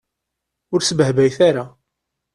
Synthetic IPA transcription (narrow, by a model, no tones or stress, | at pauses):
ʊɾsəbhbæjθaɾa